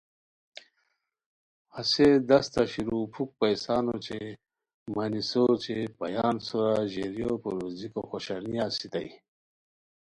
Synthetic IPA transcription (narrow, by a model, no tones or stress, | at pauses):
hased̪ɐst̪aɕiɾupʰuk̚pɐjsɑːnot͡ɕe | manisot͡ɕepa̰jɑːnsoɾaʑeɾjopo̰ɾozikoxoɕaɾnijasit̪aj